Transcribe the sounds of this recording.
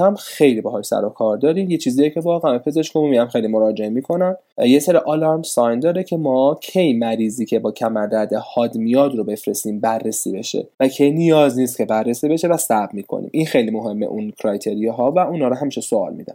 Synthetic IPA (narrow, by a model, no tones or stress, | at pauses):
æmxe̞jlibɛɦɒːʃsæ̰ɾokʰɒːɾd̪ɒːɾiːmje̞t͡ʃʰiːzijecʰe̞vɒːɣeæmepʰe̞ze̞ʃkomumiæmxejlimoɾɒːd͡ʒe̞emiːkʰo̞næn | jeseɾiʔɒlɑmsɒjnd̪ɒːɾecʰemɒːcʰejmæɾiːziːcʰe̞bɒːcʰæmæɾd̪æd̪ehɒːd̪mijɒːd̪ɾobe̞fɾe̞st̪iːmbærːesḭːbe̞̰ʃḛvæcʰe̞jnijɒːzniːst̪̚kcʰe̞bærːe̞siːbe̞ʃevæsæbmiːkʰo̰nḭːmʔinxe̞jlimo̞ɦe̞mːḛʔunkʰɾɒjt̪ʰeɾijeɦɒːvæunhɒːɾoɦæmiːʃesoɒ̰ːlmḭd̪æ̰m